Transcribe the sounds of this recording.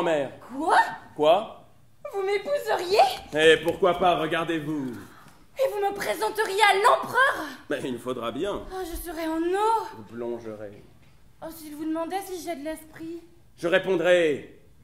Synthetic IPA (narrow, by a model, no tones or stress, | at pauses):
mɛːʁkwakwa | vumepuzəʁjeepuʁkwapaʁəɡaʁd̪evu | evuməpχezɑ̃t̪əʁjealɑ̃pχœʁmɛilfod̪ʁabjɛ̃aʒəsəʁɛɑ̃novuplɔ̃ʒəʁḛ | ɔsilvud̪əmɑ̃d̪ɛsiʒɛd̪əlɛspχi | ʒəʁepɔ̃d̪ʁɛ